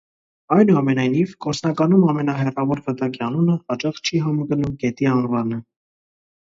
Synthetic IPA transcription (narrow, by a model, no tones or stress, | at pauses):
ɑjnuɑmɛnɑjnivɡɔɾt͡snɑkɑnumɑmɛnɑɦɛrɑvɔɾvət̪ɑkiɑnunəhɑt͡ʃɑχt͡ʃʰiɦɑmɡənumɡɛt̪iɑnvɑnə